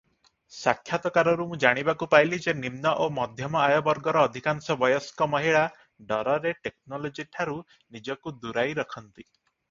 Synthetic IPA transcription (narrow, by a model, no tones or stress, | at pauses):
sakʰːjat̪ɔkaɾɔɾumũd͡ʒaɽ̃ibakupajlid͡ʒenimnɔʔomɔd̪ʱjɔmɔajɔbɔɾɡɔɾɔːd̪ʱikansɔbɔjɔskɔmɔɦiɭa | ɖɔɾɔɾeʈeknɔlod͡ʒiʈʰaɾu | nid͡ʒɔkud̪uɾajɾɔkʰɔnt̪i